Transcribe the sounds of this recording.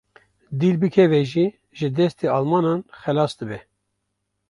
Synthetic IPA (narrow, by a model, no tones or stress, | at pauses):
d̪iːlbɨkʰɛvɛʒi | ʒɨd̪ɛst̪eːɑːlmɑːnɑːnxɛlɑːsd̪ɨbɛ